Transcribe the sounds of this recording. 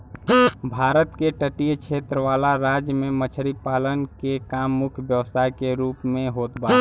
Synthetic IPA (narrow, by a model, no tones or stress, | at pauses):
bʱaɾət̪keʈəʈijt͡ʃʰet̪ɾəʋalaɾad͡ʒjəmemət͡ʃʰəɾipalənkekamːʊkʰjbjəʋəst̪ʰajkeɾuːpmẽɦot̪ba